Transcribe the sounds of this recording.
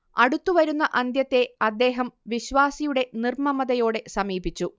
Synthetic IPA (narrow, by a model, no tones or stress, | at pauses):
ɐɽut̪ːuʋɐɾunːɐʔɐnd̪jɐt̪ːe̞ɐd̪ːe̞ːɦɐmʋiɕʋaːsijuɽe̞nirmɐmɐðɐjo̞ːɽe̞sɐmiːbit͡ɕːu